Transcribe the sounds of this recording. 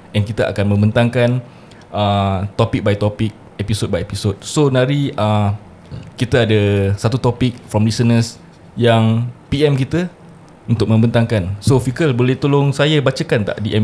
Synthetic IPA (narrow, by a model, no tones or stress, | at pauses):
ɛ̃nkit̪aʔa̰kanmə̃mbənt̪aŋkan | ət̪ɔpik̚bajt̪ɔpɪk̚ | ɛpisot̚bajepisot̪̚sonãɾiə | kit̪aadəsat̪ut̪ɔpiɪk̚fɾɔmlisənəs | jaŋpiɛmkit̪ə | unt̪ʊk̚mə̃mbənt̪aŋkansofikəlbolɛht̪olʊŋsajabat͡ʃakant̪a̰ʔdiʔɛ